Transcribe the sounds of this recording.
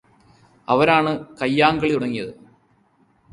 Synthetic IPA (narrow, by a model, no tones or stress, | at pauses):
ɐ̰ʋɐɾaːɳɨkɐjːaːŋɡɐɭiuɽɐŋːijɐðɨ